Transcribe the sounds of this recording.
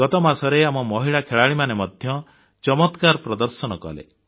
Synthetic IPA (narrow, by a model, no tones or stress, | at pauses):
ɡɔt̪ɔmasɔɾeamɔmɔɦiɭakʰeɭaɭimanemɔd̪ʱjɔ | t͡ʃɔmɔt̪kaɾɔpɾɔd̪ɔɾsɔñɔkɔ̰lḛ